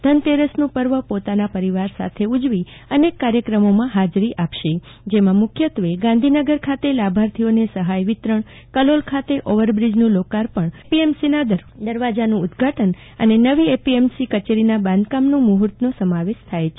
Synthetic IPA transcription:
d̪ʱənt̪eɾəsnũpəɾʋəpot̪anapəɾiʋaɾsa̰t̪ʰeud͡ʒʋi | ənekːaɾjəkɾəmomãɦad͡ʒɾiʔapʃe | d͡ʒemãmʊkʰjət̪ʋeɡãnd̪ʱinəɡəɾkʰat̪elabʱaɾt̪ʰionesəɦajʋɪt̪ɾəɳ | kəlolkʰat̪eʔoʋəɾbɾid͡ʒnũlokaɾpəɳpiemsinad̪əd̪əɾʋad͡ʒanũʊd̪ɡʱaʈən | ə̰nenəʋiepiemsikət͡ʃeɾinabãnd̪̚kamnũmuɦəɾt̪nosəmaʋeʃt̪ʰajet͡ʃʰe

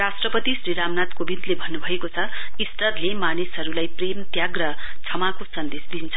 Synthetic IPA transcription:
rasʈrʌpʌt̪isriɾamnat̪kobid̪lebʱʌnːubʱʌekot͡sʰʌ | ist̪ʌd̪lemanesʌɾulajpremt̪jaɡrʌ | t͡sʰʌmakosʌnd̪esd̪int͡sʰʌ

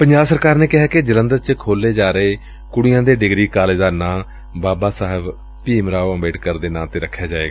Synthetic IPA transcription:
pəɲd͡ʒaːbsəɾkaːɾneːkɪɦaːkɪd͡ʒələ̃nd̪əɾt͡ʃkʰoːlːeːd͡ʒaːɾeː | kʊɽɪjãːd̪eːɖɪɡɾiːkaːleːd̪aːnãː | baːbaːsaːɦɪb | piːmɾaːoːəmbeːʈkəɾd̪eːnãːt̪eːɾəkʰːjaːd͡ʒaːeːɡaː

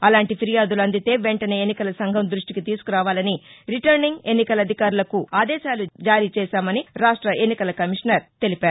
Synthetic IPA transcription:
ɐlaːɳʈipʰiɾijaːd̪ulɐnd̪it̪e̞ːʋeɳʈɐne̞ːenːikɐlɐsɐŋɡʱɐmd̪ɾuʂʈikit̪iːsu̥kuɾaːʋaːlɐniɾiʈɐɾniŋɡe̞nːikɐlɐd̪ʱikaːɾulɐkuaːd̪ɛːʃaːlud͡ʒaːɾiːt͡ʃɛːʃaːmɐniɾaːʂʈɾɐʔenːikɐlɐkɐmiʂnɐɾt̪e̞lipaːɾ

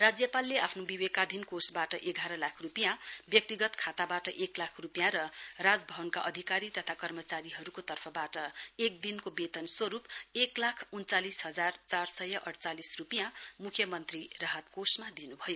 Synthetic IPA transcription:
rad͡zjʌpalːeapʰnobiwekad̪ʱinkosbaʈʌʔeɡʱaɾʌlakʰrupijãbjʌk̚t̪iɡʌt̪kʰat̪abaʈʌʔeklakʰrupjãɾʌrad͡zbʱʌbʌnkaʔʌd̪ʱikaɾit̪ʌt̪ʰakʌrmʌt͡saɾiɦʌɾukot̪ʌrpʰʌbaʈʌek̚d̪inkobet̪ʌnswʌɾupeklakʰunt͡salisɦʌd͡zart͡sarsʌjʌʔʌɽt͡salisrupijãmukʰjʌmʌnt̪rirʌɦat̪kosmad̪inubʱʌjo

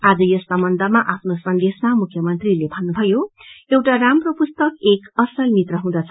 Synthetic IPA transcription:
ad͡zʌjʌst̪amʌnd̪amaʔapʰnosʌnd̪esmamukʰjʌmʌnt̪rilebʱʌnːubʱʌjoewʈaramropust̪ʌkekʌsʌlmit̪rʌɦũd̪at͡sʰʌ

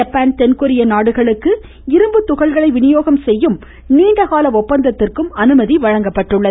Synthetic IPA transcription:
ɐpːaːnt̪ɛnkʊɾɪjɐnaːɽɯɣɐɭɯkːɯ | ɪɾɯmbɯt̪ːʊɣɐɭɣɐɭɐɪʋɪnɪjoːɣɐmsɛjːɯm | niːɳɖɐɣaːlɐɔpːɐnd̪ɐt̪ːɪrkɯmɐnɯmɐðiʋɐɻɐŋɡɐpːɐʈːɯɭːɐð

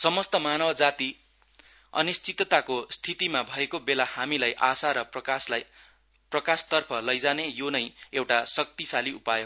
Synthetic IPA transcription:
sʌmʌst̪ʌmanʌbʌd͡zat̪i | ʌ̰nist͡sit̪t̪akost̪ʰit̪imabʱʌekobelahamilajʔasaɾʌ | prʌkast̪ʌrpʰʌlʌjd͡zanejonʌjewʈasʌk̚t̪isaliupajo

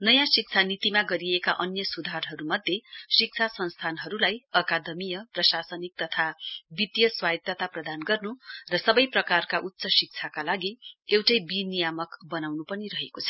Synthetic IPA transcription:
nʌjãsik̚t͡sʰanit̪imaɡʌɾiekaʔʌnjʌsud̪ʱarɦʌɾumʌd̪ʱːjesik̚t͡sʰasʌnst̪ʰanɦʌɾulajʌkad̪ʌmijʌprʌsasʌnik̚t̪ʌt̪ʰabit̪jʌswad̪ʌt̪aprʌd̪anɡʌrnurʌsʌbʌjprʌkarkaʔut̪ːsʌsik̚t͡sʰakalaɡiewʈʌjbinijamʌkbʌnawnupʌniɾʌɦekot͡sʰʌ̥

